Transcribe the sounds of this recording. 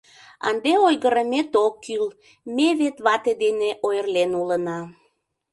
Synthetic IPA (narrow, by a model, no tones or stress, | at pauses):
ɑ̰nd̪eojɣəɾəmet̪okːyl | meβet̪βɑt̪ed̪eneʔojərlenulənɑ